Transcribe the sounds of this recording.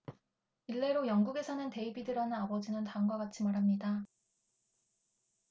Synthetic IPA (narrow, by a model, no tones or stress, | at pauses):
iɭːe̞ɾojʌŋɡuɡe̞sʰʌnɯnte̞ibidɯɾʌnɯabʌd͡ʑinɯntaŋɡwaɡat͡ɕʰimaɾɦamɲida